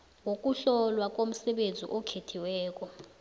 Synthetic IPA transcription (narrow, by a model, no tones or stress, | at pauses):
ŋok̬ʼuɬɔlwak̬ʼom̩sɛɓend͡zʱḭʔɔkʰetʰiwɛːk̬ʼɔ